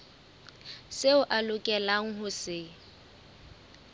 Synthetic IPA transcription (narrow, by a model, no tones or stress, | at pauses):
seʊʔalʊkʼɛlaŋ̩ɦʊsɪ